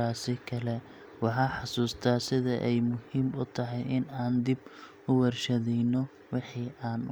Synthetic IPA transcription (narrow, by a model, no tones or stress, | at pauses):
aːsɪkʰɐlɛ | wɑħɑːħɑsuːst̪ʰɐːsɪðɐʔɛjmʊhiːmʊt̪ʰɐɦɛjɪnaːnd̪ɪb | ʊwɛrʃɐðɛjnɔ | wɪħiːʔaːn